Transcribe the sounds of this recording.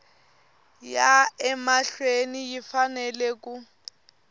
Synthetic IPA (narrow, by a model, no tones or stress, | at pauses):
jaɛmaɬwenijifanɛlek̬ʼu